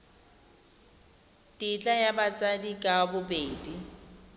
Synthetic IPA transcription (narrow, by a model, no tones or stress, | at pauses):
tʼit͡ɬʼajabat͡sʼadikʼabʊbeːdi